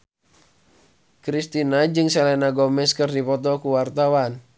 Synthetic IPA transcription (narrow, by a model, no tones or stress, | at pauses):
kɾist̪inad͡ʒɨŋsɛlɛnaɡɔmɛskɨrdipɔt̪ɔkuwart̪awan